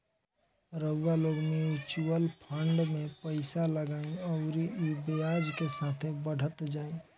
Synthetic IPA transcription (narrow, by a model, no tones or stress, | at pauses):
ɾəʋaloɡmiut͡ʃuəlpʰəɳɖmẽpəɪsaləɡaːĩɔʊɾiibejad͡ʒkesat̪ʰebəɽ̤ʱət̪d͡ʒaːĩ